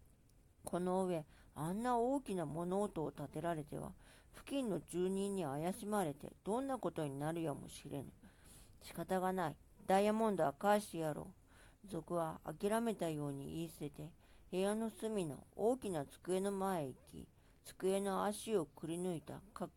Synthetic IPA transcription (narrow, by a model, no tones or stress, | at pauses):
kʰo̞no̞ɯ̟βe̞anːao̞ːkʲinamo̞no̞ːt̪o̞ːt̪at̪e̞ɾaɾe̞t̪e̞̰βa̰ | ɸɯ̟̥kʲĩnːo̞d͡ʑɨːɲ̟ĩɲ̟ːiajaɕimaɾe̞t̪e̞̰d̪̥õ̞nːako̞t̪o̞ɲ̟inaɾɯ̟jomo̰ɕiɾʔe̞̰nɯɕi̥kat̪aɡanai | d̪̥ajamõ̞nd̪oakaiɕi̥t̪ejaɾo̞̰ː | d͡zo̞kɯ̟βaa̰kʲiɾame̞t̪ajo̞ːɲ̟ḭʔiːse̞t̪e̞ | he̞jano̞sɨmʲino̞̰oːkʲinat͡sɨ̥kɯ̟e̞no̞mae̞ikʲḭ | t͡sɨ̥kɯ̟e̞no̞aɕio̞kɯ̟ɾʲinɯ̟it̪a̰kakɯ